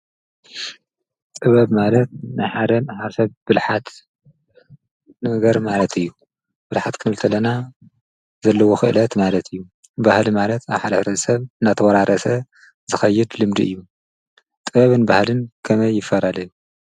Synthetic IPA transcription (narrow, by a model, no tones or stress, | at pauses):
t̪ʼɨβɐβmalɐt̪̚najħad̪ɐnħaɾsɐβbɨlħat̪ | nɐɡɐɾmalɐt̪ʰɨjːu | b̥ɨlħat̪kʰɨnɨlt̪ʰɐlɐna | zɐlːɐwoxɨʔɨlɐt̪malɐt̪ʰɨjːu | bahlimalɐt̪aβħad̪ɐfɾɐzɐsɐβɨnːat̪ʰɐwɐɾaɾʔɐsɐ | zɨxɐjːɪd̪lɨmd̪ḭʔɨjːu | t̪ʼɨβɐβɨnbahlɨnkʰɐmɐjːɪfːɐlalɐju